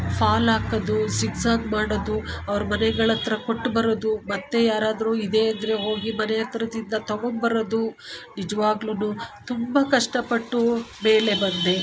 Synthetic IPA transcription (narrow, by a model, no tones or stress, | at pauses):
pʰaːlaːkɐd̪usiɡsaːɡmaːɽod̪uɐʋɐɾumɐnɛɡɐɭɐt̪ɾɐkoʈːbɐɾɐd̪umɐt̪ːe̞jaːɾaːd̪ɐɾuːid̪e̞ːɐnd̪ɐɾe̞ɦo̞ːɡimɐnɛjɐt̪ɐɾɐd̪ind̪ɐt̪ɐɡombɐɾɐd̪unid͡ʒɐʋaːɡlunut̪umbɐkɐʂʈɐpɐʈːubeːle̞bɐnd̪e